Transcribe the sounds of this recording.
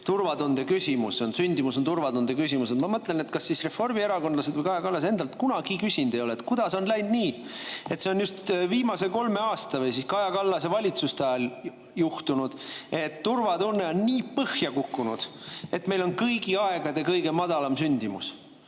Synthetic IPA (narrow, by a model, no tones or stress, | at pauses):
t̪urvɑd̪und̪e̞kysʲimuso̞nsynʲd̪imuso̞nt̪urvɑd̪und̪ekysʲimused̪mɑmɤt̪ːˑle̞ne̞t̪kɑsːisre̞fo̞rmie̞ɾɑko̞nlɑsed̪vəjkɑjɑkɑlːɑs̬e̞nd̪̥ɑlt̪kunɑɡikysʲind̪̥ejolet̪ˑkud̪̥ɑso̞nlæjnd̪niːe̞t̪se̞o̞njust̪viːmɑse̞ko̞lme̞ɑːst̪ɑvɤjsiskɑjɑkɑlːɑsevɑlʲit̪sust̪eɑjɑl | juht̪unud̪̥e̞t̪ːurvɑd̪unːe̞onniːpɤhjɑkukːunud̪̥e̞t̪me̞jlo̞nkɤjɡiɑeɡ̥ɑd̪e̞kɤjɡ̥e̞mɑd̪̥ɑlɑmsynʲd̪imus